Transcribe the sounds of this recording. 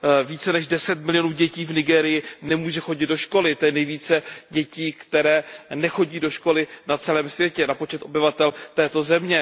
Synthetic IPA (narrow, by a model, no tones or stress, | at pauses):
viːt͡sɛnɛʒdɛsɛt̪mɪlɪjonuːɟɛciːvnɪɡɛːɾɪjɪnɛmuːʒɛxo̞ɟɪd̪̚do̞ʃko̞lɪt̪ojɛnɛjviːt͡sɛɟɛciːkt̪ɛɾɛːnɛxo̞ɟiːdo̞ʃko̞lɪnat͡sɛlɛːmsvjɛcɛnapo̞t͡ʃɛt̪ʔo̞bɪvat̪ɛlt̪ɛːt̪o̞zɛmɲɛ